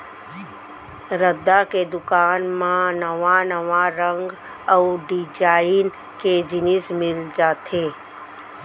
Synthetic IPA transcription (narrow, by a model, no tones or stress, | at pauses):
ɾəd̪aked̪ʊkaːnmãnəʋanəʋaɾə̃ŋɡ | ɔːɖid͡ʒaːɪn | ked͡ʒɪnɪsmɪld͡ʒaːt̪ʰeː